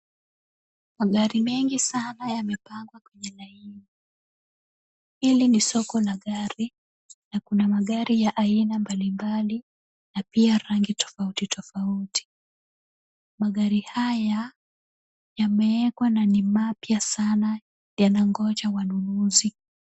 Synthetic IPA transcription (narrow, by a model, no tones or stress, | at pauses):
maɠaɾimɛŋɡisanajamɛpaŋɡwakwɛɲɛlaivu | ilinisɔkɔlaɠaɾi | nakunamaɠaɾijaʔainambalimbali | napiaɾaŋɡitɔ̥fautitɔfauti̥ | maɠaɾihaja | jamɛɛkwananimapjasana | janaŋɡɔt͡ʃawanunuzi